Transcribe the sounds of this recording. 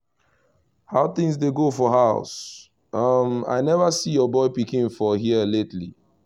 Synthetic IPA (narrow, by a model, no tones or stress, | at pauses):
haʊθĩŋsdeɡofɔɦaʊs | ʌma̰ɪnɛvəsijɔbɔɪpikĩnfɔɦiəletli